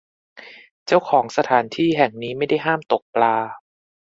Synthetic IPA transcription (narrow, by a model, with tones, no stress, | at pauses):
t͡ɕa˥˩wkʰɔː˩˦ŋsa˧t̪ʰaː˩˦nt̪ʰiː˥˩ɦɛ˨˩ŋniː˦˥ma˥˩jda˥˩jɦaː˥˩mt̪o˨˩k̚plaː˧